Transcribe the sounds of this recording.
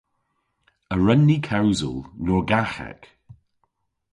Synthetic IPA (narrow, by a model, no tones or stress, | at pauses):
əɹənːikʰawzə̰lˠnɔːɹɡaxɛ̰k